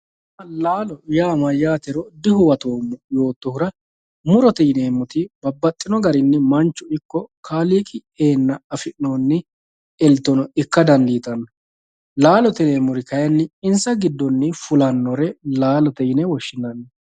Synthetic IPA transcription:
ɐlaːlɔjaːmɐjːaːt̪ɛɾɔd̪ɪhʊwɐt̪oːmːɔjo̞ːt̪ːɔhʊɾɐ | mʊɾɔt̪ɛjneːmːʊt̪ɪbɐbːɐt̪ʼːɪnɔɡɐɾɪnːɪmɐnt͡ʃːʊɪkːɔkʰaːliːkʼɪ | eːnːɐɐfɪʔnoːnːɪ | ɛlt̪ːɔnɔɪkːɐd̪ɐnd̪iːt̪ʼɐnːɔ | laːlɔt̪ɪneːmːʊɾɪkɐjɐnːɪɪnsɐɡɪd̪ːɔnːɪfʊlɐnːɔɾɛlaːlɔt̪ɛjnɛwɔʃːɪnɐnːɛ

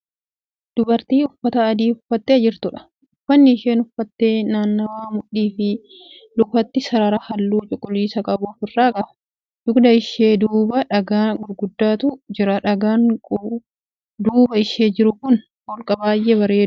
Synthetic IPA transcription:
d̪̥ʊbɐɾt̪iːʊfːɐt̪ɐːd̪iːʊfɐt̪ːeɐd͡ʒɪɾt̪ʊᶑɐ̥ | ʊfːɐnːɪːʃeːnʊfːɐt̪ːe̞ːnaːnːɐwaːmʊᶑiːfɪ | lʊkɐt̪ːɪsɐɾɐɾɐhɐlːuːt͡ʃʼʊkʼːʊliːsɐkʼɐbʊfɪrːaːkʼɐbɐ̥ | dʊkd̪ɐɪʃeːd̪uːbɐᶑɐɡaːnɡʊɾɡʊd̪ːaːt̪ʊd͡ʒɪɾɐᶑɐɡaːŋ | d̪uːbɐɪʃeːd͡ʒɪɾʊkʊn | bɔlkʼɐbaːjʔebɐɾe̞ː

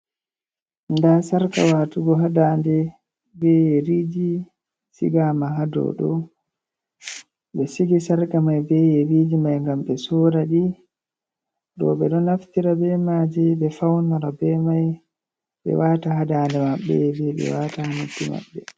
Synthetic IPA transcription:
ndasaɾka̰watuɡɔɦadaːndɛ | bɛjɛɾiːd͡ʒi | sḭɡamaɦadɔ̰ɗɔ̰ | ɓɛsiɡisaɾkamajbɛjɛɾiːd͡ʒimajŋɡamɓɛsɔɾaɗi | ɗɔ̰ɓɛɗɔnaftiɾabɛmad͡ʒɛbɛfawnaɾabɛmaj | ɓɛ̰waːtaɦadaːndɛmaɓːɛ̰bɛɓɛ̰waːtahanutːima̰ɓːɛ

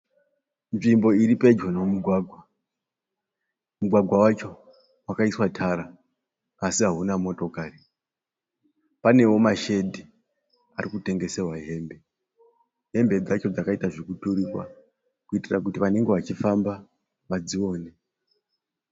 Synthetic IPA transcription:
nʐimbo̞iɾipe̞d͡ʒonomuɡʱwaɡʱwa | muɡʱwaɡʱwawat͡ʃo̞ | wakaiswatʰaɾaː | siɦaɦunamo̞to̞kari | pane̞wo̞maʃe̞dʱi | arikute̞ŋɡe̞se̞rwaɦe̞ːmbe̞ | ɦe̞mbe̞d͡zat͡ʃo̞d͡zakaitaʐikutuɾikwa̰ | kuitirak̬utiʋane̞ŋɡe̞ʋat͡ʃifamba | ʋad͡zio̞ːne

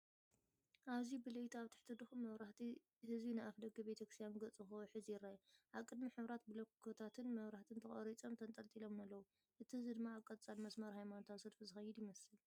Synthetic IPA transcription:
ʔaβzibɨlɐjt̪ʰaβt̪ʰɨ̥ħt̪ʰɨd̪ɨxumɐβɾaht̪ʰi | hɨzinɨʔafd̪ɐɡɐbet̪ʰɐkɾɨst̪janɡɐt͡sʼɨxuħɨzijɪrːaʔjiʔaβkʼɨd̪miħɨβɾat̪bɨlɐkkʰːot̪ʰat̪ʰɨnmɐβɾaht̪ʰɨnt̪ʰɐχʼɐ̰ɾit͡sʼomt̪ʰɐnt̪ʼɐlt̪ʼilomnɐlːɐwu | ʔɨt̪ʰihɨzid̪ɨmːaːβkʼːɐt̪ʼt͡sʼalmɐsmɐɾhajmanot̪ʰasɨd̪fizɨxɐjːɪd̪jɪmɐsɨl

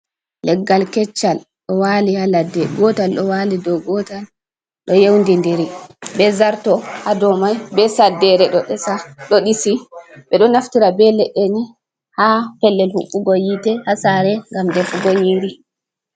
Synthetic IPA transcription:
lɛɡːalkɛt͡ʃːal | ɗɔwalihaladːɛɡɔtalɗɔwalidɔɡɔtal | ɗɔjewndindiɾibɛzaɾtɔhadɔmajbɛsadːɛɾɛɗɔɗɛsaɗɔɗisiɓɛɗɔnaftiɾabɛlɛɗɛnɛ | hapɛlːɛlhṵɓːuɡɔjitɛhasaɾɛŋɡamdɛfuɡoɲiɾi

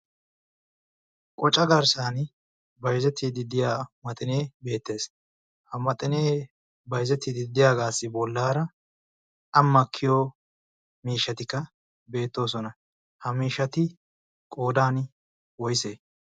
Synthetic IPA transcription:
kʼɔt͡ʃʼɐɡɐɾsaːn | bɐjzɛt̪ʰːid̪ɪd̪ɪjaːmɐt̪ʼɪne̞ːbe̞ːt̪ːe̞ːs | hɐmɐt̪ʼɪneː | bɐjzɛt̪ːɪd̪ɪd̪ɪjaːɡaːsːɪbɔlːaːɾɐ | ɐmːɐkʰːɪjoː | miːʃːɐt̪ɪkːɐ | be̞ːt̪ːo̞ːsɔnɐ | hɐmiːʃːɐt̪ɪ | kʼo̞ːd̪aːn | wɔjseː

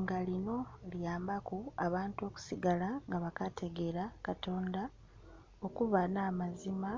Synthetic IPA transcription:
ŋɡalino̞ljaːmbakuaβaːntuo̞ːku̥siɡalaŋɡaβakate̞ɡe̞ɾakato̞ːnda | o̞kuβanaːmazima

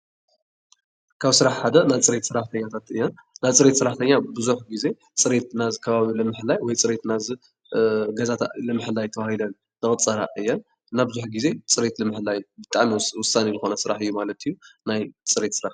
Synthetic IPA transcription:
kʰaβsɨɾaħħad̪ɐnajt͡sʼɨɾe̞t̪sɨɾaħt̪ʰɐɲːat̪ʰat̪ɨjːɛnnat͡sʼɨɾe̞t̪sɨɾaħt̪ʰɐɲːabɨzuħɡize̞ | t͡sʼɨɾet̪nazɨkʰɐβaβilɨmɨħɨlːajwɔjt͡sʼɨɾe̞t̪nazɨ | ɡɐzat̪ʰalɨmɨħɨlajt̪ʰɐβahilɐn | t̪ɨxʼɨt͡sʼːɐɾaɨjːɛn | nːabɨzuħɡize̞t͡sʼɨɾe̞t̪lɨmɨħɨlajbɨt̪ʼaʕmiwʊsːanizɨxo̞nɐsɨɾaħɨjːumalɐt̪ʰijːunajt͡sʼɨɾet̪sɨɾaħ

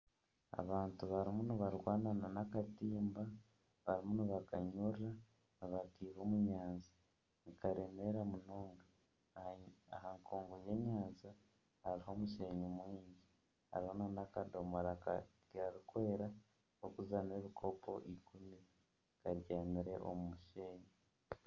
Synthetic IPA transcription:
a̰βaːntuβaɾimuniβaɾɡwaːnananakatiːmba | βaɾimuniβakaɲuːɾa | niβakiːβoːmuɲaːnzi | nikaɾeme̞ɾamunoːŋɡa | ahaŋkʰoːŋɡoje̞ɲaːnza | haɾiɦo̞ːmuʃe̞ːɲomwiːɲɟi | ha̰ɾihonanakadomoɾaka̰ | ɡaɾikwe̞ːɾa | okuzanie̞ːβikʰo̞po̞ʔikumi | kaɾɟaːmiɾe̞ʔo̰mumuʃeːɲo

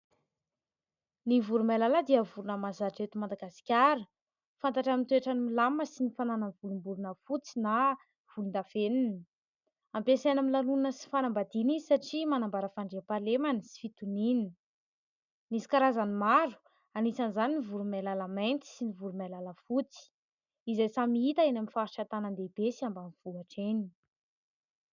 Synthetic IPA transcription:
nivuɾumalaləd̪iəvuɾunəmazaʈ͡ʂet̪umand̪aɡasi̥kʲaɾə | fant̪aʈ͡ʂamint̪ueʈ͡ʂanimilaməsinifanananvulumbuɾunəfut͡sina | v̥ulund̪afeninə | ampesenamilalunəsi̥fanambad̪inizisaʈ͡ʂimanambaɾəfaɳɖ͡ʐeapalemanisi̥fit̪uninn | nisi̥kaɾazanimaɾu̥ | anisanizaninivuɾumalalamajnt̪i̥sinivuɾumalaləfut͡si̥ | izajsamiit̪aenaminfaɾiʈ͡ʂat̪anand̪ebesiambamv̥uaʈ͡ʂeni

